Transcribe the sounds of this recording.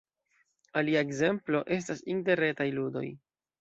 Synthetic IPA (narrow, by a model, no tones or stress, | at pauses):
aliaeɡze̞mplo̞ʔe̞s̬tasinte̞ɾe̞tajludo̞̰j